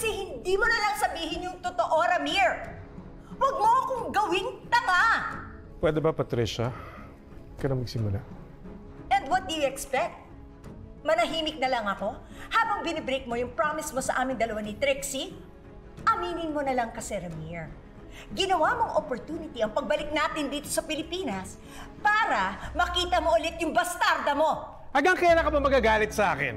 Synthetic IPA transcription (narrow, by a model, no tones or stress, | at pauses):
kɐsɛhɪnd̪imonɐlɐŋsɐbiːɦɪɲjʊŋt̪ot̪oʔo̞ɾɐmiɹ | wɐɡ̚moʔɐkoŋɡɐwɪŋt̪ɐka | pwɛd̪ɛbɐpɐt̪ɾiʃɐ | kɐlɐmɐɡsɪmula | ʔɛnd̪wɐt̪̚d̪ʊjʊɛkspɛk̚t̪̚ | mɐnɐɦiːmɪk̚nɐlɐŋɐko̞haːbɐŋbɪnɛbɾek̚mo̞jʊŋpɹamɪsmo̞sɐʔaːmɪŋd̪ɐlɐwanɪt̪ɾɪksi | ʔɐmiːnɪŋmo̞nɐlɐŋkɐsɛɾɐmiɹ | ɡɪnɐwamo̞ŋʔopoɾt̪uːnɪt̪iɐŋpɐɡ̚bɐlɪk̚naːt̪ɪnd̪iːt̪o̞̥sɐpɪlɪpiːnɐs | paːɾɐmɐkiːt̪ɐmo̞ʔɐlɪt̪̚jʊŋbɐst̪aɾd̪ɐmo̞ | hɐɡɐŋkɐjaːlakɐbɐmɐɡaɡaːlɪt̪̚sɐʔaːkɪ̰n